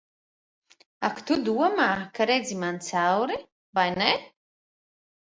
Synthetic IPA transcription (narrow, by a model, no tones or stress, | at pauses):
akt̪ud̪uɔmaːkaɾed̪zimant̪sawɾi | vajnɛ